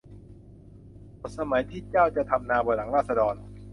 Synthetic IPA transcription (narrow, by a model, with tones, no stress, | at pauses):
bo˨˩sa˧ma˩˦jt̪ʰiː˥˩t͡ɕaː˥˩wt͡ɕa˨˩ʔt̪ʰa˧mnaː˧bɔː˧˩jla˩˦ŋɾaː˥˩t̪̚sa˧dɔː˧n